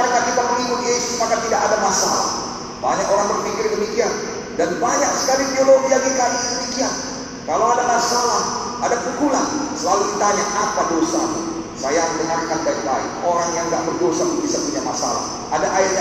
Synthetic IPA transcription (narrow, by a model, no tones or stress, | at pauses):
ɾaŋakibat̪̚məŋikʊt̪̚jesʊsmakat̪ːidakadamasala̰h | ba̰ɲakoɾaŋb̪ərfikɪrdəmikian | danbaɲak̚sə̥kalit̪ioloɡiaɡikamidəmikian | kaloadamasalah | adakukulansəlaluit̪aɲaapadosa̰n | sajad̪əɦarkandailaḭkoɾaŋjaŋdaʔbərdosapuŋbisapuɲamasa̰la̰h | ʔadaʔajaʔɲa